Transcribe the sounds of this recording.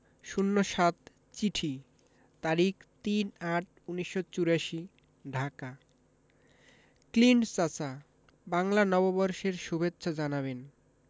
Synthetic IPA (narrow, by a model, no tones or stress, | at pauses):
ʃunːoʃat̪ | t͡ɕiʈʰi | t̪aɾikt̪inaʈ̚ʰ | uniʃːot͡ɕuɾaʃi | ɖʱaka | kliɳɖsat͡ɕa | baŋlanɔbobɔɾʃeɾʃubʱetːɕad͡ʑanaβen